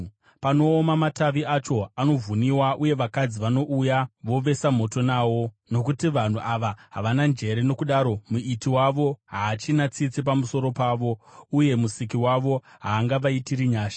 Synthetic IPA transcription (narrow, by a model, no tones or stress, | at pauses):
pano̞ːmamataʋiat͡ʃo̞ano̞vuniwaʔuje̞ʋakad͡ziʋano̞ʔujaʋo̞ʋe̞sam̤o̞to̞nawo̞ | no̞kutiʋan̤uʔaʋaɦaʋanand͡ʒe̞ɾe̞no̞kuɗaːɾo̞muitiwaʋo̞ɦaːt͡ʃinat͡sit͡sip̬amuso̞ɾo̞paːʋo̞uje̞musik̬iwaʋo̞ɦaːŋɡaʋaitiɾiɲaːʃḁ